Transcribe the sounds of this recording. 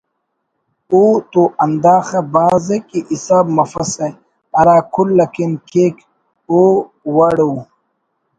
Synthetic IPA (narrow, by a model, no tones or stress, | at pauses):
uːt̪oʔɐnd̪aːxebaːzekiʔisaːbmɐfɐse | ɐɾaːkʰulːɐkinkʰeːk | oː | wɐɽu